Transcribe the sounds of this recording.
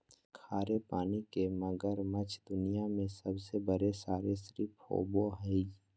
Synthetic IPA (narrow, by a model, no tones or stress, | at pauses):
kʰaːɾepaːnikemɐɡəɾmət͡ʃʰd̪ʊnijamẽsəbsebəɾesaːɾesɾipʰho̰boɦɛi